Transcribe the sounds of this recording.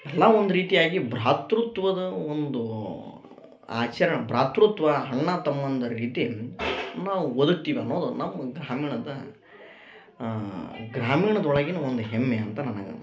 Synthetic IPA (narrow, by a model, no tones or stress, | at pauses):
ɛlːaond̪uɾiːt̪ijaːɡibɾaːt̪ɾut̪ʋɐd̪ɐond̪u | a̰ːt͡ʃɐɾɐɳɐbɾaːt̪ɾut̪ʋɐɦɐɳːɐt̪ɐmːɐnd̪ɐɾiːt̪i | naːʋuwod̪uk̚t̪iːʋiɐnːo̞ːd̪unɐmːɐɡɾaːmiːɳɐd̪ɐ | ɡɾaːmiːɳɐd̪ɔɭɐɡinɐond̪uɦɛmːeɐnt̪ɐnɐnɐɡɐ̰